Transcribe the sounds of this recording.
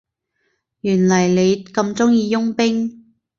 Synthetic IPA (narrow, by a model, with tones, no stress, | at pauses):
jyː˨˩nlɐ˨˩jle˨˧jkɐ˧mt͡sʊ˥ŋjiː˧jʊ˥ŋpɪ˥ŋ